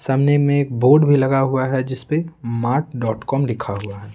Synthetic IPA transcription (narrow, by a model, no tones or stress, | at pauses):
saːmnemẽeːk̚boːɾɖbʱilɐɡaɦuaɦɛd͡ʒɪspemaːɾʈ̚ɖɔːʈkɔːmlɪkʰaɦuaɦɛː